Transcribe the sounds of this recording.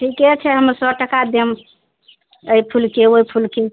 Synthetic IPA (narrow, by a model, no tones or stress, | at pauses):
ʈʰikɛt͡ʃʰɛɦəmɾsəʈəkad̪em | əjpʰulkeoipʰulke